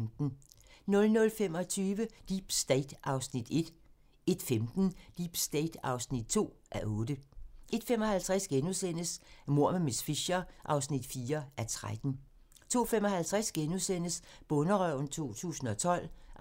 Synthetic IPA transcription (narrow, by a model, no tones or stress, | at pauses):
md̥n̩nɔ̽lnɔ̽lfem̰ɒ̽t͡sʰyːʋəd̥iːb̥sd̥ɛɪd̥ʔɑ̈ʊsnid̥e̝d̥ | e̝d̥femd̥n̩d̥ib̥sd̥ɛɪd̥ɑ̈ʊsnid̥̚t͡sʰo̝̰ːʔæʔɔ̽ːd̥əʔe̝d̥femɒ̽hælt͡sʰʁæsɡ̥enusen̰əsmo̝ɐ̰memesfiɕɐʔɑ̈ʊsnid̥fiːɐæɐt͡sʰʁad̥n̩ | t͡sʰo̝̰ːfemɒ̽hælt͡sʰʁasɡ̥enusen̰əsb̥ɔ̽nəʁœʊ̰n̩t͡sʰo̝̰ːt͡sʰṵːsn̩ɒ̽t͡sʰɒ̽l̰